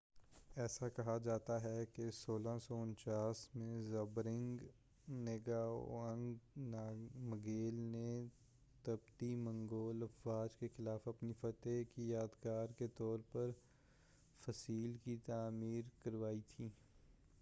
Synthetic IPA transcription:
ɛːsakɐɦad͡ʒaːt̪aɦɛkesoːlãsɔʊ̃nt͡ʃaːsmẽzɐbɾɪ̃ŋɡ | neɡaːo̰ɐ̃ŋɡnaːmɐɡeːlne | t̪ɐbt̪imɐ̃ŋɡoːlɐfwaːd͡ʒkexɪlaːfɐpnifɐt̪ekijaːd̪kaːɾket̪ɔːɾpɐɾ | fɐsiːlkit̪aːmiːɾkɐɾʋaːit̪ʰiː

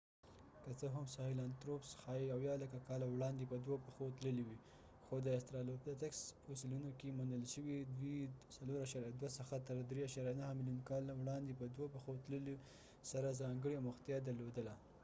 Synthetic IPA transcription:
kət͡səɦamsɑhɪlant̪ɾopsxɑiawjɑlakakɑlawɽɑnd̪epəd̪wopəxot̪ləliwi | xod̪əɪst̪ɾɑlopd̪at̪aksfosɪlunokemunəlʃəwid̪wisaloɾaʃɑɾjad̪wasəxat̪əɾd̪ɾeaʃɑɾjanahmɪlijunkɑlawɽɑnd̪epəd̪wopəxot̪ləli | saɾazɑŋɡəɽiamʊxt̪jɑd̪aɾlod̪əla

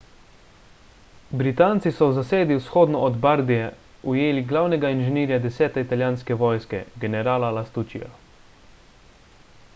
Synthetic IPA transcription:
bɾit̪aːnt̪sisɔwzaseːd̪iwsxoːd̪nɔːd̪baɾd̪ijɛ | ujeːliɡlawnɛɡainʒɛniːɾjad̪ɛsɛːt̪ɛit̪aljaːnskɛʋɔjskɛ̰ɡɛnɛɾaːlalast̪ut͡ʃḭa̰

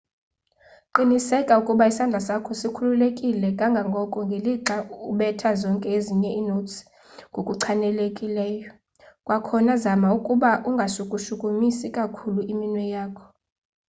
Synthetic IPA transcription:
ǃinisɛkʼaukʼuɓaisand͡ɮʱasakʰɔsikʰululekʼilɛkʼaŋɡʱaŋɡʱɔkʼɔŋɡʱeliǁauɓɛtʰazɔŋkʼɛeziɲɛʔiːnots | ŋɡʱokʼuǀʰanɛlekʼilɛːjɔ | kʼwakʰɔnazamaukʼuɓaʔuŋɡʱaʃukʼuʃukʼumisikʼakʰuluiminwɛjaːkʰɔ̥

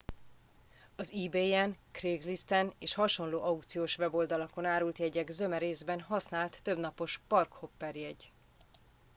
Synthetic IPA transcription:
ɒziːbeːɛnkreːɡzlist̪ɛneːʃhɒʃo̞nloːʔɒukt̪sijoːʃʋɛbo̞ld̪ɒlɒko̞naːɾult̪jɛɟɛɡzø̞mɛɾeːzbɛnɦɒsnaːlt̪ːø̞bnɒpo̞ʃpɒrkho̞pːɛrjɛɟ

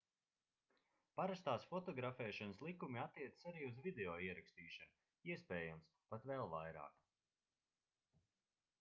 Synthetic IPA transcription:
paɾast̪aːsfɔt̪ɔɡɾafɛːʃɔnslˠikumiat̪ːiɛt̪ə̥saɾiːuzvid̪eɔːiɛɾakst̪iːʃan | iɛspɛːjumspat̪vɛlˠvajɾa̰ːk

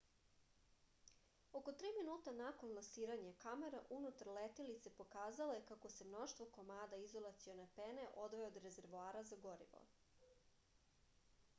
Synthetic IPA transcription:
o̞ko̞t̪ɾiːminuːt̪anako̞nlˠasiːɾaɲakameɾaʔunut̪aɾlet̪ilit̪se̞po̞kaːzalo̞jekako̞se̞mno̞ʃt̪vʋo̞komaːd̪aizo̞lˠat̪sijo̞nepene̞ʔo̞d̪ʋeood̪ɾe̞ze̞ɾʋoaːɾazaɡo̞ɾḭʋo̰

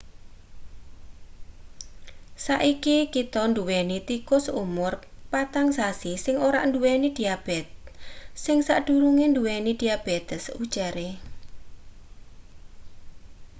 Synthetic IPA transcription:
saʔikikit̪ɔnd̪uwɛnit̪ikʊsumʊrpat̪aŋsasisɪŋoɾaʔnd̪uwɛnid̪̥iab̥ɛt̪̚sɪŋsaʔd̪̥uɾuŋend̪uwenid̪̥iab̥et̪ɛsud̥ʒ̥aɾe

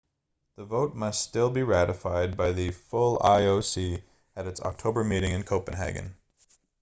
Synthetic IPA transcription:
ðəvoʊt̚mʌsttɪlˠbiɹæɾɨfaɪd̚baɪðɨfʊlˠa̰ɪoʊsi | ɨɾɨtsɑ̰k̚tʰoʊbə˞miɾɪ̃ŋɨ̃nkʰoʊpɨ̃n̩ɦæ̰ɡɨ̰̃n

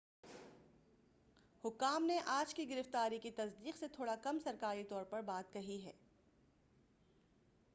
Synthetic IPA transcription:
hʊkːaːmneʔaːd͡ʒkiɡɪɾɪft̪aːɾikit̪ɐsd̪iːqset̪ʰoːɽakɐmsɐɾkaːɾit̪ɔːɾpɐɾbaːt̪̚kɐɦiɦɛː

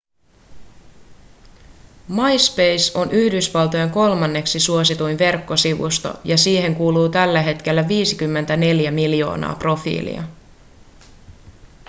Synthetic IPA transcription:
mɑjspejso̞nʔyhdysʋɑlˠt̪oje̞ŋko̞lmɑnːe̞ksisuo̞sit̪ujnʋe̞rkːo̞siʋṵst̪o̰jɑsiːhe̞ŋkuːluːt̪ælːæɦe̞t̪k̟e̞lːæʋiːsikymːe̞nt̪æne̞ljæmiljo̞̰ːnɑ̰ːpro̞fḭːlḭɑ̰

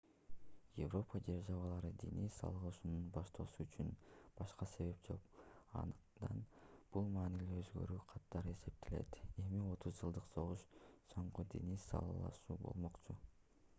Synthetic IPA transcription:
jḛvro̞pədeɾʒɑβɑlˠɑɾɯd̪ʲḛnisɑ̰lˠʁˠɯʃununbɑʃt̪ʰo̞ːsuːt͡ʃynb̥ɑʃqɑse̞βe̞p̚d͡ʒo̞̰qɑ̰nd̪d̪ɑnb̥ulˠmɑːniliøzɡø̞̰ɾyːqʰɑt̪ːɑɾɯe̞se̞p̚t̪ʰele̞̰t̪e̞mio̞t̪ʰuzd͡ʒɯlˠd̪ɯqso̞ʁuʃso̞ɴqud̪ʲḛnisɑ̰lˠɑlˠɑ̰ʃuːbo̞̰lˠmo̞qt͡ʃu

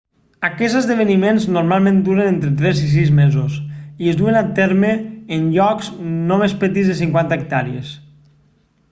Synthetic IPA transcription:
akɛzəzðəβ̞ənimẽnznoɾmalˠmẽnd̪uɾənẽnt̪ɾet̪ɾɛzis̬izmezosiəzd̪uenat̪eɾmeːnʎɔkznomespət̪izðes̬iŋkwant̪əːk̚t̪aɾiḛs

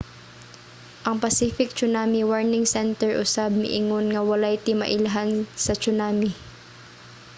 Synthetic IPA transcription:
ʔɐŋpɐsiːfɪk̚t͡ʃʊnaːmiwaɹnɪŋsɛnt̪ɛɹʔʊsab̚nɪ̰ʔɪŋonŋɐwɐlajt̪ɪmɐ̰ʔɪlɐɦansɐt͡ʃʊnaːmi

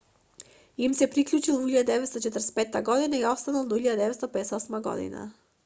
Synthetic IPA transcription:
imsɛpɾikʎut͡ʃilˠvuiʎad̪ad̪ɛvɛt̪st̪ɔt͡ʃɛt̪əɾɛspɛt̪ːaɡɔd̪inaiɔst̪analˠd̪ɔiʎad̪ad̪ɛvɛt̪t̪ɔpɛd̪ɛsɔsmaɡɔ̰d̪ḭna̰

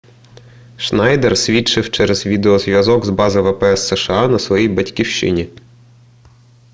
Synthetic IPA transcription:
ʃnɑjd̪ɛrsʲʋʲit͡ʃɪwt͡ʃɛɾɛz̥ʋʲid̪eɔzʋʲjɐzɔɡzbɑzɐjʋɛpɛɛsːɛʃeɑnɐsʋɔjijbɐtʲkʲiwt͡ʃɪ̰nʲi

